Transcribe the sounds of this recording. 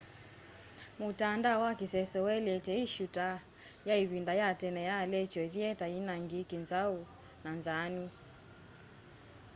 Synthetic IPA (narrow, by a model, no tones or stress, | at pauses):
mutandawakisɛsɔwɛlɛtɛiʃuta | jaiβindajatɛnɛjalɛt͡ʃɔðiɛtainaŋɡikinzau | nanzani